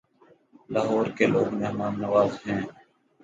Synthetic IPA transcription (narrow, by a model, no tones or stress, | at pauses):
laːɦɔːɾkeloːɡmeːɦmaːnːəʋaːzɦɛ̃ː